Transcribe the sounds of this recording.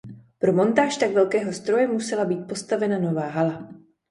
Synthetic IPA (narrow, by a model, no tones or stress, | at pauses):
pɾo̞mo̞nt̪aːʃt̪akvɛlkɛːɦo̞st̪ɾo̞jɛmusɛlabiːt̪̚po̞st̪avɛnano̞vaːɦala